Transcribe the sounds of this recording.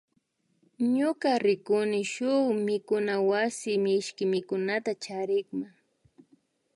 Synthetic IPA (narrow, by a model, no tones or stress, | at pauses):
ɲʊkaɾɪkʊnɪʃʊwmɪkʊnawasɪmɪɪʃkɪmɪkʊnat̪at͡ʃaɾɪkma